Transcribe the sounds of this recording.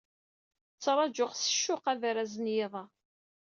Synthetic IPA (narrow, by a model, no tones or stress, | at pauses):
t͡sːɾˤɑd͡ʒʊχsə̥ʃːʊqævɾæzənjɪðˤɑ